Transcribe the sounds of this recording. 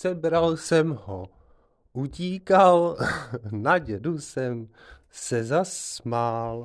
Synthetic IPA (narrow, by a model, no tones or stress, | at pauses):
sɛbɾalsɛmɦo | ʔuciːkal | naɟɛdusɛm | sɛzasmal